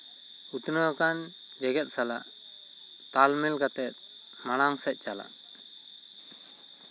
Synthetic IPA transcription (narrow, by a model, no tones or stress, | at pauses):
ut̪nɔakand͡ʒɛɡɛt̪̚sala̰ʔ | t̪almɛlɡat̪ɛt̪̚ˀmaɽ̃aŋsɛt̪̚ˀt͡ʃala̰ʔ